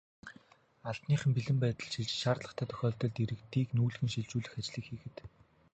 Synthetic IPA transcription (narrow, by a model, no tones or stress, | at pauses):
aɮt̪niːχɘ̆mpiɮɘ̆mpæːt̪ə̆ɮʃiɮt͡ɕʃaːrt̪ɮə̆χt̪ʰæːt̪ʰœ̥xʲɔːɮt̪ɞ̆ɮt̪iɾɘ̆kt̪iːknuːɮɣɘ̆nʃiɮt͡ɕuːɮɘ̆xat͡ɕɮiːxiːxɘ̆t̪